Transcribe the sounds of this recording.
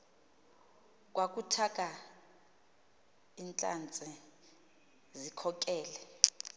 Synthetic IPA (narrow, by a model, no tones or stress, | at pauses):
k̬ʼwak̬ʼutʰak̬ʼa | int͡ɬʼa̰nt͡sʼɛ | zikʰɔk̬ʼɛːlɛ